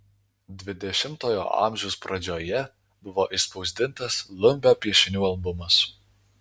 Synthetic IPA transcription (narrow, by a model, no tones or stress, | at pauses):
d̪ʲʋʲɪd̪ʲɛʃʲɪmt̪oːjo̰ːʔɑ̰ːˑmʲʒʲɛʊspɾɐd͡ʒʲoːjɛ | bʊʋoːʔɪspɒʊzʲd̪ʲɪnt̪ɐslˠʊmʲbʲoːpʲiɛʃʲɪnʲuːɐlˠbʊmɐs